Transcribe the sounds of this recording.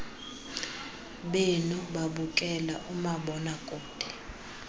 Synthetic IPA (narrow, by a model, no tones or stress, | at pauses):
ɓenuɓaɓukʼɛlaʔumaɓɔnakʼoːd̥ʱɛ̥